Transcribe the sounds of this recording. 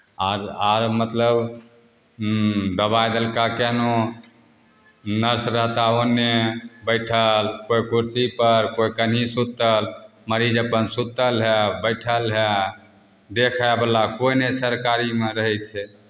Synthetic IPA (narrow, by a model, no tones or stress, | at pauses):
aɾaɾmət̪ləb | d̪əβajd̪əlkakeno | nəɾsɾəɦt̪aənːebəɪʈʰəlkoikuɾsipəɾkoikənɦisut̪əlməɾid͡ʒəpənsut̪əlɦebəɪʈʰəlɦe | d̪ekʰablakoinesəɾkaɾimeɾəɦɛt̪t͡ʃʰɛ